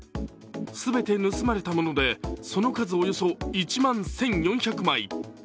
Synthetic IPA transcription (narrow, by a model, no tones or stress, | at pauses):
sɨbe̞t̪e̞nɯ̟sɨmaɾe̞t̪amo̞no̞d̪e̞so̞no̞kazɨojo̞so̞it͡ɕimãñsẽ̞ɲjõ̞ɰ̃çakɯ̟mai